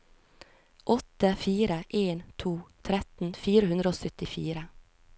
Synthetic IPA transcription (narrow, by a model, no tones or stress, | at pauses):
ʔɔt̪əfiːɾəʔeːnt̪ʰuːt̪ʰɾɛt̪n̩fiːɾəhʉnd̪ɾəoːsœt̪ɪfiːɾə